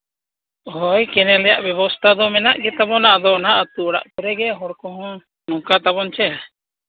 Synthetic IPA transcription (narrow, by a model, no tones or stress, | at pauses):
ɦɔjkɛnɛlɛjaʔbjɛβɔst̪ʰad̪ɔmɛnaʔɡɛt̪abɔnaad̪ɔnaʔat̪uɔɽa̰ʔpuɾɛɡɛɦɔɾkɔɦɔ̃ | nɔ̃kat̪aβɔnt͡ʃɛja